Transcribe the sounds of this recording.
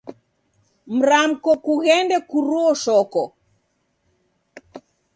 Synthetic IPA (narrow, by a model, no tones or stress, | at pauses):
m̩ɾam̩kɔkuɣɛndɛkuɾuɔʃɔkɔ